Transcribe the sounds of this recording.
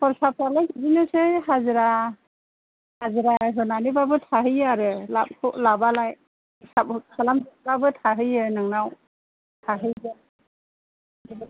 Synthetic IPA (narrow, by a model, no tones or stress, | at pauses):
pʰɔɾsap̚ʰalajɡidinɯseɦaziɾa | haziɾazɔnanibabɯtʰaɦɯjɯaɾɯlap̚kʰɔʔlabalaj | sapsalamzɔbabɯtʰaɦɯjɯnɯŋnaw | tʰaɦɯjbɯ